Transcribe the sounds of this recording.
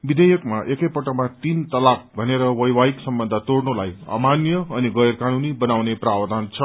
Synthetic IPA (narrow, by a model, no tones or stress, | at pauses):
bid̪ʱejʌkmaʔekʌjpʌʈʌmat̪int̪ʌlak̚bʱʌneɾʌwʌjwaiksʌmbʌnd̪ʱat̪oɽnolajʌ̰manjʌʌniɡʌjrkanunibʌnawneprawʌd̪ʱant͡sʰʌ